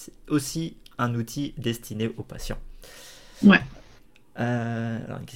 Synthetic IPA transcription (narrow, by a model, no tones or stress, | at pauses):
ɛosiɛ̃nut̪ʰid̪ɛst̪ʰineʔopasjɑ̰̃ | wɛ | øa̰lɔ̰ʁy̰nkʲɛ